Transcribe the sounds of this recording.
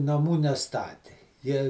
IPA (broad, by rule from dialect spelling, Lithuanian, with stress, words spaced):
nɐˈmuː nʲɛˈstɑːtʲɪ ˈjiɛ